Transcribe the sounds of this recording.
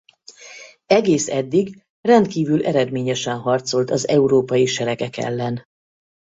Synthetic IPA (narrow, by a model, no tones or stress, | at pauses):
ɛɡeːsɛd̪ːiɡ | rɛnt̪kiːvylʔɛɾɛd̪meːɲɛʃɛnɦɒrt̪so̞lt̪ɒzɛuɾoːpɒjiʃɛɾɛkɛkɛ̰lːɛn